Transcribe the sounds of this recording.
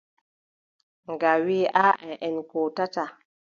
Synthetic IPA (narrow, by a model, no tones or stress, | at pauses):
ŋɡawiʔaʔɛʔɛnkotata